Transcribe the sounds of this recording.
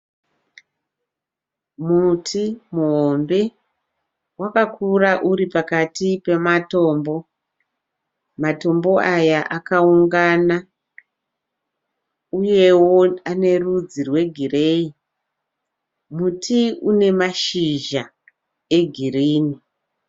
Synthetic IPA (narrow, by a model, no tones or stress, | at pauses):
mutʰimuɦombe̞ | wakakuraʔuripakatipe̞mato̞ːmbo̞ | mato̞mbo̞ajaʔakauŋɡana | uje̞wo̞ane̞rud͡zirwe̞ɡʱire̞ːi | mutʰiune̞maʃiʒa | eɡʱiriːni